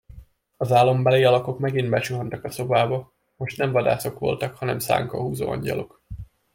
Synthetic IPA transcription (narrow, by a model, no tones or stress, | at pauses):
ɒzaːlːo̞mbɛleːɒlɒko̞kmɛɡinbɛt͡ʃuɦɒnt̪ɒkɒso̞baːbɒ | mo̞ʃt̪nɛɱvɒd̪a̰ːso̞kʋo̞̰lt̪ɒkhɒnɛmsa̰ːŋkɒ̰ɦuːzo̰ːɒ̰ɲɟɒ̰lo̞k